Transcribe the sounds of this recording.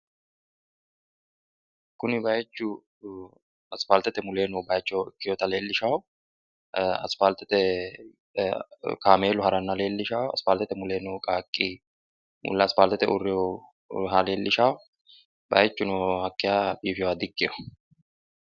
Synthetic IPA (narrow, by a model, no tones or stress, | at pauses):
kːʊnɪbɐjt͡ʃːʊ | ɐspalt̪ɛt̪ɛmʊleːnɔwbɐjt͡ʃːɔwɪkːɪjɔːt̪ɐle̞ːlːɪʃɐw | ɐ̰spalt̪ɛt̪ɛ | kaːmeːlʊhɐɾɐnːɐle̞ːlːɪʃɐwɐ̰spaːlt̪ɛt̪ɛmʊle̞ːnɔkʼaːkʼːi | mʊ̰lːɐspaːlt̪ɛt̪ɛʊrːɪɔ | ɦale̞ːlːɪʃaw | bɐjt͡ʃːʊnɔhɐkːɪjaːbiːfɪwaːd̪ɪkʼːɪjɔ